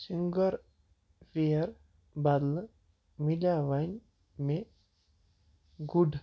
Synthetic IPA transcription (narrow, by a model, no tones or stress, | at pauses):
siŋɡəɾ | fiɐɾ | bad̪lə | milaʋajn | me | ɡuɖ